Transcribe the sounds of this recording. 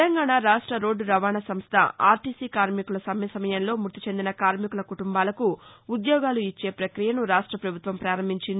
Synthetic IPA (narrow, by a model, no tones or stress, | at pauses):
t̪lɐŋɡaːɳaːɾaːʂʈɾɐɾo̞ːɖɾɐʋaːɳɐsɐmst̪ʰɐ̰a̰ːɾʈiːsiːkaːɾmikulɐsɐmjɐsɐmɐjɐnlo̞ːmuɾt̪i̥t͡ʃe̞nd̪inɐkaːɾmikulɐkuʈumbaːlɐkuud̪jɔːɡaːluit͡ʃːe̞ːpɾɐkɾijɐnuɾaːʂʈɾɐpɾɐbʱut̪ʋɐmpɾaːɾɐm̤ːiɲt͡ʃind̪i